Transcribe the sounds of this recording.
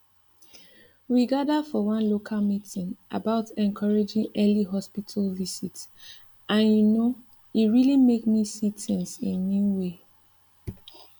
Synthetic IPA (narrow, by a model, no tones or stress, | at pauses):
wiɡadafɔwʌ̃nlokʰalmitĩŋʔa̰baʊtɛ̃nkʰɔɹed͡ʒĩŋɛliɦɔspitʰalvisit | ʔãnjuno | itɹilimekmisitʰɛ̃nsĩnːĩnwe